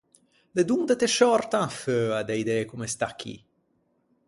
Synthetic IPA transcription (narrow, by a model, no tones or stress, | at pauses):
led̪und̪et̪eʃɔrt̪anføːad̪eid̪ɛkumest̪akʰːḭ